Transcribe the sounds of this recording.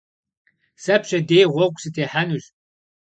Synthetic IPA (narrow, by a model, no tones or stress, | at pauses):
sɐpɕɐdejʁʷɔkʷʼsɨtʰeːħanuɕ